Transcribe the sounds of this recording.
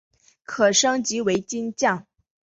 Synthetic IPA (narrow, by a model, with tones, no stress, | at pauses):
kʰɤ˨˩ʂɤ˥ŋt͡ɕi˧˥we˧˥ɪt͡ɕi˥nt͡ɕjɑ˥˩ŋ